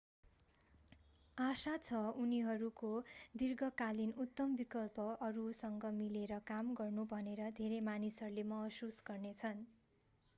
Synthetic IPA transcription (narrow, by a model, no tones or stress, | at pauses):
asat͡sʰʌuniɦʌɾukod̪irɡʌkalinut̪ːʌmbikʌlpʌʔʌɾusʌŋɡʌmileɾʌkamɡʌrnubʱʌneɾʌd̪ʱeɾemanisʌɾulemʌɦʌsusɡʌrnet͡sʰʌn